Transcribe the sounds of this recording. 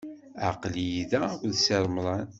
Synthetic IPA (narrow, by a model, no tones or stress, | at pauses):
a̰qljiðæuðseɾˤmlˤɑn